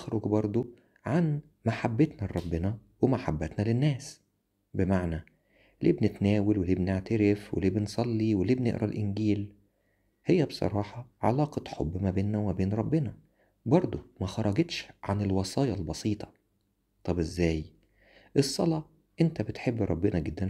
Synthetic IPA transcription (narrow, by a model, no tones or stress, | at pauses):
xɾoɡbɑɾˤd̪ˤo | ʕan | maħabːet̪næɾˤɑbːenɑ | wemaħabːæt̪nælenːæːs | bemaʕnæ | lʔḭːbnet̪næːwelweliːbneʕt̪æɾefwḛliːbensˤɑlːiweliːbnḛʔɾʔɑlʔɪnɡiːl | hejːæbsˤɑ̰ɾˤɑːħɑʕa̰lɑːqɑħobːmæbeːnːæwmæbeːnɾˤɑbːenɑ | bɑɾˤd̪ˤomæxɑɾˤːɑɡet̪ʃʕanelwɑsˤɑːjɑlbɑsˤiːt̪ˤɑ̥ | t̪ˤɑbʔezːæːj | ʔesˤːɑ̰lɑ | ʔent̪æbet̪ħebːɾˤɑbːenæɡed̪ːæn